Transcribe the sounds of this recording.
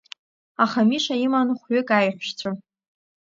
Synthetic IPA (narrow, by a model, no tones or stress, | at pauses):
aχamiʃaimanχʷɥʏkʼajħʷʃt͡sʷʰa